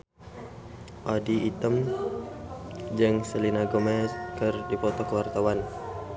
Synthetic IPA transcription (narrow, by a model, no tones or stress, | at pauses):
ʔadiit̪əm | d͡ʒəŋsəlinaɡomɛkərdipɔt̪ɔkəwart̪awan